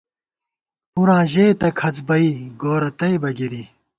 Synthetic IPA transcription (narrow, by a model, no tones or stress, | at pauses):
uɾãːʑeːt̪ɐkʰɐt͡sbɐiːɡoːɾɐt̪ɐjbɐɡiɾi